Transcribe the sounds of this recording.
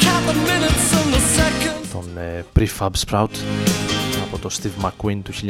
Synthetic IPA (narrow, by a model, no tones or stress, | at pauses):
kʰæpəmɪ̃nɪtsə̃nðəsɛkə̃nt̪ʰɔnɛpɾifabspɾawt̪ | abɔt̪ɔst̪ivmakwint̪uʃilʲ